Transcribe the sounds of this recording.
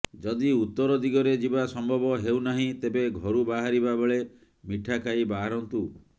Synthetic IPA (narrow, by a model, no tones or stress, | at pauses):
d͡ʒɔd̪iut̪ːɔɾɔd̪iɡɔɾed͡ʒibasɔmbʱɔbɔɦewnaɦĩt̪ebeɡʱɔɾubaɦaɾibabeɭe | miʈʰakaibaɦaɾɔnt̪u